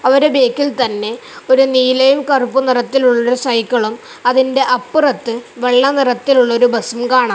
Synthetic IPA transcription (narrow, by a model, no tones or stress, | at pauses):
ɐʋɐɾebe̞ːkːilt̪ɐnːe̞o̞ɾuniːlɐjumkɐrupːunirɐt̪ːiluɭːɐo̞ɾusɐjkːɐɭum | ɐðinde̞ʔɐpːɨrɐt̪ːɨʋe̞ɭːɐnirɐt̪ːiluɭːɐo̞ɾubɐsumkaːɳa